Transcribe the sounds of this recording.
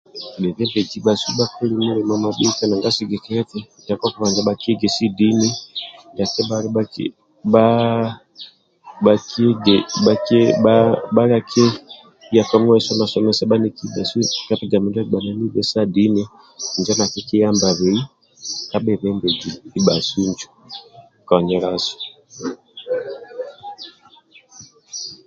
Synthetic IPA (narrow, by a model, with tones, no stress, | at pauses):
ɓɛ˨βɛ˦mbɛ˨d͡ʒi˨˦ɓa˨si˦ɓa˦ku˦li˦mu˦ɾɛ˨ma˨ma˨ɓi˦ka˦na˨ŋɡa˦si˦ɡɛ˨kɛ˦ɾɛ˦tɛ˨d͡ʒa˨ka˦ku˦βa˨nd͡ʒa˨ɓa˨ki˦ɡɛ˨si˦di˦ni˦ja˨kɛ˦ɓa˦ɾa˦k | ɓa˦ | ɓa˨kʰi˦ɡɛɓa˦kɛ˦ɓaɓa˦ɾa˦kʰɛ˦ | ja˨ka˦m˦ɛ˦sɔ˦na˨sɔ˨mɛ˦sa˦ɓa˦ni˨ki˦ba˨su˦ka˦pɛ˦˨d͡ʒa˨mɛ˨nd͡ʒa˦˨ɡ͡ba˨nɛ˦ni˦βɛ˨sa˦di˦nɛ˦˨ | nd͡ʒa˦na˨kɛ˦ki˦ja˦mba˨βɛ˨i˦ | ka˦ɓɛ˨βɛ˨˦mbɛ˨d͡ʒi˨i˨ɓa̰˨su˦nd͡ʒɔ̥˨ | ka˨ɲɛ˨˦ɾa˦sɔ̥˨